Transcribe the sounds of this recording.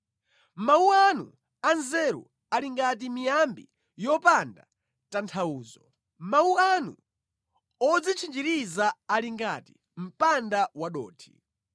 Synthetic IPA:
mauanṵ | anzɛɾṵ | aliŋɡat̬imijambi | jɔpanda | tantʰauːzɔ | mauanṵ | ɔd͡zit͡ʃʰind͡ʒiɾizaːliŋɡatḭ | m̩pandawaɗɔ̰ːtʰi̥̰

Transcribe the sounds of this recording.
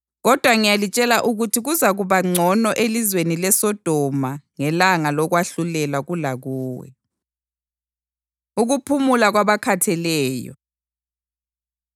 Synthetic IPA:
ɣɔd̥ʱwaŋijalit͡ʃʼɛlaʔuɣutʰiɣuzaɣuβaŋ͡ǀʱɔnɔʔelizwenilɛsɔd̥ʱɔmaŋɛlaŋalɔɣwaɬulɛlaɣulaɣuːwɛ̰ | uɣupʰumulaɣwaβakʰatʰɛlɛːjɔ̰

